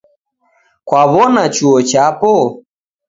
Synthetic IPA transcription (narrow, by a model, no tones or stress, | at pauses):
kwaβɔnat͡ʃuɔt͡ʃapɔ